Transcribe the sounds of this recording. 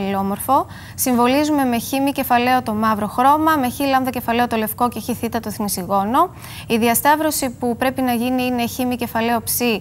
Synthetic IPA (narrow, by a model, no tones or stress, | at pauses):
lo̞mo̞ɾfo̞ | siɱvo̞lizume̞me̞çimice̞fɐle̞o̞t̪o̞mɐvɾo̞xɾo̞mɐme̞çilɐmðɐce̞fɐle̞ot̪o̞le̞fko̞ce̞çiθit̪ɐt̪oθnisiɣo̞no̞ | iðiɐst̪ɐvɾo̞sipupɾe̞pinɐʝiniine̞çimice̞fɐle̞o̞psi